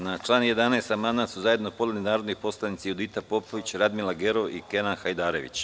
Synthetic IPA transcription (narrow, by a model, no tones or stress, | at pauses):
nat͡ʃlˠaːnje̞d̪anajst̪amand̪at̪suzajed̪nopo̞d̪leninaːɾo̞d̪nipo̞slˠanit̪sijud̪it̪apo̞poʋit͡ɕɾad̪milaɡe̞ɾo̞ʋike̞nanxajd̪aːɾe̞ʋḭt͡ɕ